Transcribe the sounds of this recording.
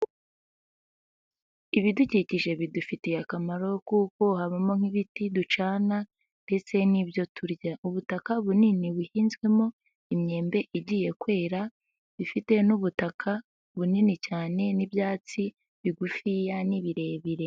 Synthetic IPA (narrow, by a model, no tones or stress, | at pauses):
iβiduciciʒe̞βidufitejakamaɾo̞kuːko̞haβamo̞ŋ̥iβitidut͡ʃaːna | nde̞t͡se̞nibjo̞tʰuɾɟauβutakaβuniniβuhiːnzɡwe̞mo̞ | imɲe̞ːmbe̞ʔiɟiːje̞kwe̞ːɾa | βifite̞nuβutakʰa | βuninicaːne̞nibjaːt͡si | βiɡufijaniβiɾe̞ːβiɾe̞